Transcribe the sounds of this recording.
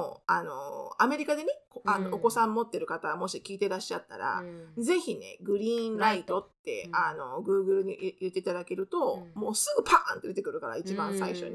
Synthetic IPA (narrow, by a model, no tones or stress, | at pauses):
oano̞̰ame̞ɾʲikad̪e̞nekoʔanːooko̞sãmːo̞t̪ːe̞ɾɯ̟kat̪aɡmo̞ɕikʲiːt̪e̞ɾaɕːat̪ːa̰ɾa̰ze̞çine̞̰ɡɯ̟ɾʲĩːɾait̪o̞t̪ːe̞̰ano̞ɡɯ̟ːɡɯ̟ɾɯ̟ɲḭjɯ̟t̪ːeit̪ad̪ake̞ɾɯ̟t̪o̞mo̞ːsɨɡɯpʰãnt̪ed̪et̪ekɯ̟ɾɯ̟kaɾa̰it͡ɕibãɰ̃saiɕo̞̰ɲi